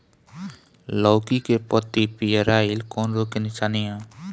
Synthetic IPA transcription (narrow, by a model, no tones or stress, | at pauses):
lɔːkikepɔt̪ːipijəɾaːɪlkɔːnɾokenɪʃaːnijãː